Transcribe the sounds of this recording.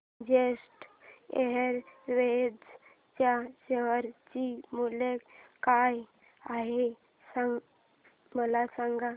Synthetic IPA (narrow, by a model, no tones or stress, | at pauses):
d͡ʑesʈḛɦəɾʋed͡z | t͡ɕjaɕeʋəɾt͡ɕimulekkaj | aɦe | saŋ | məlasãŋɡa